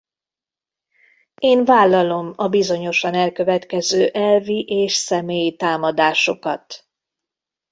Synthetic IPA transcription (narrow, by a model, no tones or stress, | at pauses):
eːnvaːlːɒlo̞mɒbizo̞ɲo̞ʃɒnɛlkø̞vɛt̪kɛzøːʔɛlviʔeːʃsɛmeːjit̪aːmɒd̪aːʃo̞kɒ̰t̪